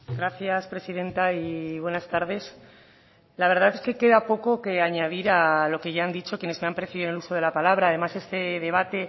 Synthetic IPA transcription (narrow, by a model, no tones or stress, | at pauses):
ɡɾaθjaspɾe̞siðe̞nt̪aiβwe̞nast̪aɾðe̞s | laβe̞ɾð̞aθe̞ske̞ke̞ðapo̞ko̞ke̞aɲaðiɾalo̞ke̞ʝaand̪it͡ʃo̞kje̞ne̞zme̞ampɾeθiðiðneluso̞ð̞elapalaβɾaːðe̞mase̞st̪e̞ðe̞β̞at̪e̞